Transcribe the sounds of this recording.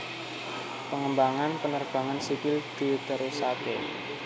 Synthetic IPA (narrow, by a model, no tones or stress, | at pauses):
pəŋəmbaŋanpənərb̥a̤ŋansipɪld̪̥i̤t̪əɾesake